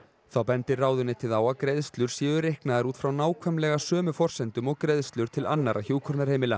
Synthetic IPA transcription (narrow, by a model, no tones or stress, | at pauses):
θawpɛnt̪ɪraːwðʏnːɪt̪ʰɪlðaːwakɾejðst̪lʏɾ̥sjɛːðʏɾehknaðaɾuːt̪fɾawnaːwkʰvɛmlɛɣasœːmʏfɔr̥sɛnt̪ʏmɔɣkɾejðst̪lʏɾ̥t̪ʰɪlanːaɾʔaçjuːwkʰɔɾnaɾ̥heːjmɪla